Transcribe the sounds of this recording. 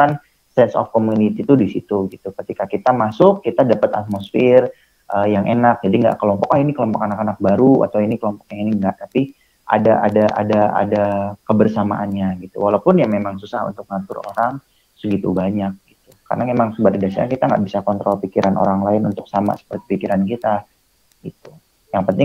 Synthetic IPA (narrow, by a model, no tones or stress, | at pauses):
kan | sɛnsɔ̰fkomunit̪it̪udisit̪uɡit̪ukət̪ikakit̪amasʊkːit̪adapət̪a̰t̪̚mosfɪr | ʔəjaŋʔenak̚d͡ʒadiŋɡa̰ʔkəlɔmpɔkainikəlɔmpɔkanakanak̚baɾua̰t̪awinikəlɔmpɔ̥kjaŋiniŋɡaʔt̪api | ʔa̰daʔa̰daʔa̰daa̰dakəbərsama̰ʔanɲaɡit̪ṵwalawpʊnjaŋmemaŋsusahṵnt̪ʊk̚məŋat̪ʊro̰ɾaŋ | səɡit̪ubaɲak̚ɡ̥it̪uka̰rnamemaŋsəbaɾidasaakit̪aŋɡa̰ʔbisakɔnt̪ɾɔlpikiɾʔanʔo̰ɾaŋlaɪnunt̪ʊk̚sama̰sə̥pərt̪i̥pikiɾankit̪a | ɡ̥it̪u̥ | jaŋpənt̪ɪŋ